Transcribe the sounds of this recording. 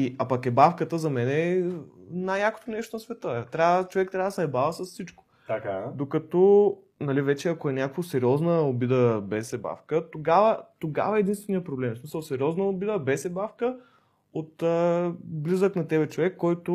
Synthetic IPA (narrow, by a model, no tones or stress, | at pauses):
iʔapɐkɛbafkət̪əzɐmɛnɛ | najjako̥t̪onɛʃt̪onɐsvɛt̪ət̪ɾʲavət͡ʃovɛk̚t̪ɾʲavəd̪sɛɛbavɐsɐssit͡ʃkʊ̥kad̪okɐt̪ɔ | nɐlivɛt͡ʃɛɐkoɛnʲakvosɛɾiɔznəobid̪əbɛsɛba̰fkət̪oɡavət̪oɡa̰vɐɛːd̪inst̪vɛnijəpɾoblɛmsmisəlˠsɛɾʲɔznəobid̪əbɛsɛbafkə | ot̪əblizəknɐt̪ɛbɛt͡ʃovɛkːɔjt̪ʊ